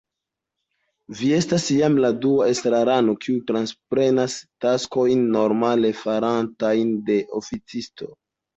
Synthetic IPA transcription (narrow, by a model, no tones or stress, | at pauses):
vie̞stasjamladuaestɾaɾano̞kʰiutɾanspɾe̞nastasko̞jnːo̞ɾmale̞faɾantajnde̞ʔo̰fit͡sisto̞̰